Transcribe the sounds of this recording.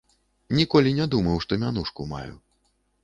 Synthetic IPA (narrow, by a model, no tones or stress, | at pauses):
nʲikɔlʲinʲɛd̪umɐwʂt̪ɔmʲanuʂkuma̰jṵ